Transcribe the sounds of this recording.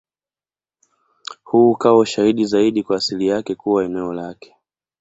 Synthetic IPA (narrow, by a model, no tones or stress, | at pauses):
huːkawɔʃahiɗizaiɗikwaːsilijakɛkuwaɛnɛɔlakɛ̥